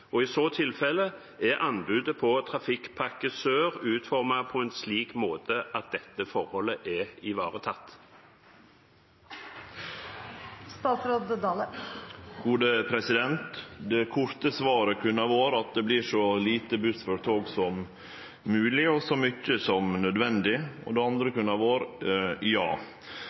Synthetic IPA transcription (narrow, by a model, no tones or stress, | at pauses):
ɔɪsoːt̪ʰɪlfɛlə | ɛʔɑnbʉːd̪əpʰɔt̪ʰʁɑfɪkpʰɑkəsøːʁʉːt̪fɔʁmɑpʰɔɛnsliːkmoːt̪əʔɑt̪̚d̪ɛt̪ːəfɔɾhɔləʔɛɪʋɑ̰ːʁət̪ʰɑt̪ː | st̪ɑːt̪sɾoːd̪əd̪ɑːlə | ɡuːd̪əpʰɾɛsɪd̪ɛnt̪d̪ɛkʰʊɾt̪əsʋɑːɾəkʰʉnːɑʋoːɾɑt̪̚d̪ɛblɪʂɔliːt̪əbʉsfɔɾt̪ʰoːɡsɔmː | ʉːlɪɔsɔmʏcːəsɔmnœd̪ʋɛnd̪ɪɔ̰d̪ɛɑnd̪ɾəkʉnːɑʋoːɾjɑ̰ː